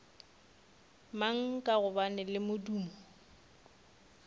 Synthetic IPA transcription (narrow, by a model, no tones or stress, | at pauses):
maŋ̩kʼaɣʊbanɛlɪmʊduːmɔ